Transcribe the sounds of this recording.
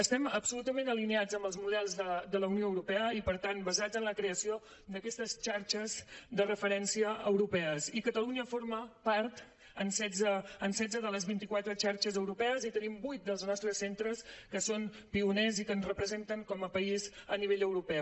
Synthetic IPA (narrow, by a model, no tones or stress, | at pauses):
əst̪ɛməpsulut̪əmẽnəlinead͡zəmbəlˠzmuðɛlˠzðəd̪ələwnioəwɾupɛəipəɾt̪anbəzad͡zənləkɾeəsio | d̪əkɛst̪əst͡ʃaɾt͡ʃəzd̪ərəfəɾɛnsiəəwɾupɛəsikət̪əluɲəfoɾməpaɾt̪ | ənsɛd͡zəːnsɛd͡zəðələzβint̪ikwat̪ɾət͡ʃaɾt͡ʃəzəwɾupɛəzit̪ənimbujt̪̚d̪əlˠznɔst̪ɾəsːent̪ɾəskəson | piunɛzikənzrəpɾəzent̪əŋkɔməpəizəniβeʎəwɾupɛ